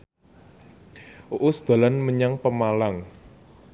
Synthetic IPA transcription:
ʔuʔusd̪̥a̤lanməɲaŋpəmalaŋ

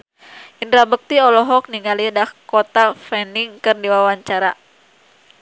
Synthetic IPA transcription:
ʔindɾabək̚t̪iɔlɔɦɔk̚niŋalidakɔt̪afɛniŋkɨrdiwawaɲt͡ʃaɾa

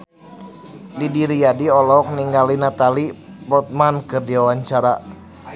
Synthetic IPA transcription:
didiɾijadiɔlɔk̚niŋɡalinat̪ali | bɔt̪̚mankɨrdiwawaɲt͡ʃaɾa

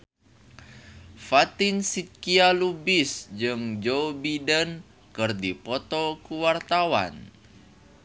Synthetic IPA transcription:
fat̪insit̪̚kialubisd͡ʒɨŋd͡ʒobidən | kɨrdipɔt̪ɔkuwart̪awa̰n

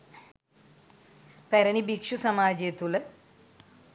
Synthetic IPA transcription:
peɾɐnibikʂusɐmaːd͡ʑet̪ulɨ

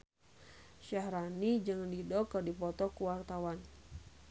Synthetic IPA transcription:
ʃahɾanid͡ʒɨŋdidɔkərdipɔt̪ɔkuwart̪awan

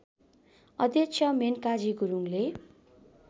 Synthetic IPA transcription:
ʌd̪jʌkt͡sʰjʌmenkad͡ziɡuɾuŋle

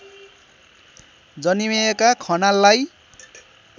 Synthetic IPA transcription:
d͡zʌnimeekakʰʌnalːaj

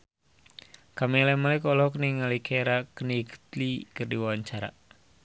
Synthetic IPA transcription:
kamɛlɛmalɛkɔlɔkniŋalikʰɛɾakəniɡət̪likɨrdiwawaɲt͡ʃaɾa̰

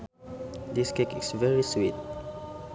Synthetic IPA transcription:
d̪iskekisvɛɹiswit̚

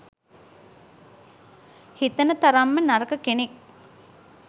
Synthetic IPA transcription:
hit̪ənət̪aɾamːənaɾəkəkenek

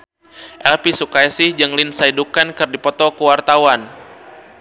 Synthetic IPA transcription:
ʔɛlpisukajsihd͡ʒəŋlinsaidukankɨrdipɔt̪ɔkəwart̪awan

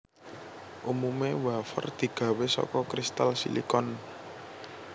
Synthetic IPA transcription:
ʔumumewafə̰rd̪̥i̤ɡ̥ä̤wesɔ̰kɔkɾist̪alsḭlḭkɔn

